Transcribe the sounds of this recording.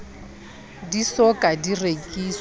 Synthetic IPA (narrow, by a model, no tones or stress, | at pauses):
disɔkʼadirekʼiːs